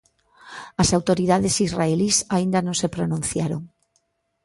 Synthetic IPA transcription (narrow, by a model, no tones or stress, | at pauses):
ɐsawt̪oɾiðaðesizraelisaĩnd̪ɐnõŋsepɾonũn̟θjaɾo̰ŋ